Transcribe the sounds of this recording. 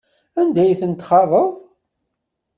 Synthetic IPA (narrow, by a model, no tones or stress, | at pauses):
ænd̪æjθənt̪χɑrˤːəðˤ